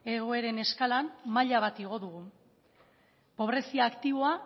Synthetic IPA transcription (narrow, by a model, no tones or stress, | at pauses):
e̞ɣ̞o̞e̞ɾe̞ne̞skalammaʎaβ̞at̪iɣ̞o̞ðuɣ̞u | po̞β̞ɾe̞siaːkt̪iβo̞a